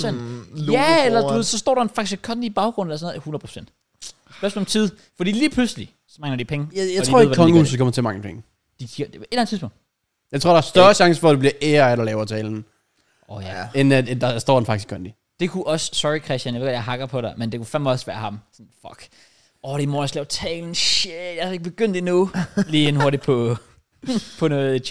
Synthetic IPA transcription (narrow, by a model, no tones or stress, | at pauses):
sen̰jæelɐd̥uʋe̝sɒ̽sd̥ɔ̰ːɾɑ̈e̝nfɑ̈ɡ̥iskʰɒ̽nd̥ib̥ɑ̈ʊɡ̥ʁɔ̽nelɐsɔnoð̩ˠhunɐð̩ˠpʰo̥sen̰d̥ | b̥snɒmt͡sʰið̞̰ˠ | fɒ̽d̥ḭːliːpʰlusəli | sɒ̽mɑŋnɐd̥ipʰeŋəjaɪdʰdio̰ːeðˠʋækʰɒŋəṵːsskʰɒ̽mɐt͡sʰelmɑ̈ŋəpʰeŋə | d̥ikʰie̝̥lænð̩ˠt͡sʰipɔ̽ŋd̥ | jɑ̈t͡sʰo̝ɐɾɑːɐsd̥ɶɐɕɑ̈ŋsəfɒ̽d̥eb̥liɐʔeːɐæɾɐlɛːʊɐt͡sʰɛːln̩ | ʔɔjæenæd̥ɑ̈sd̥ɒ̰ːdenfɑ̈ɡ̥iskʰɒnd̥i | d̥e̝kʰuʔɒ̽ssɒikʰʁɛsjænjʋḛɡɒ̥jaɪɦɑ̈ɡ̥ɐpʰɒ̽ɾemend̥e̝kʰufænmɒ̽sʋæːɐhɑ̈msɔ̽nfɒɡ̥ | ɒɾ̥emoːnəslɛʊt͡sʰɛ̰ːln̩ʃed̥jɑhɑe̝ɡ̥̚b̥e̝ɡ̥øn̰d̥inuliːenɦo̝ɐɾipʰɒ̽ | pʰɒ̽nɔːð̩ˠʰ